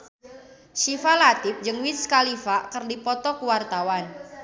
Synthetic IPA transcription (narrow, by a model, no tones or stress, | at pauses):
ʃifalat̪ɪp̚d͡ʒɨŋwit̪skalifakərdipɔt̪ɔkuwart̪awan